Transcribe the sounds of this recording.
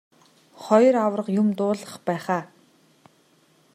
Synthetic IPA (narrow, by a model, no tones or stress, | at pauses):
χɔjrawrə̆qjʊmt̪ʊːɮə̆χpæːχaː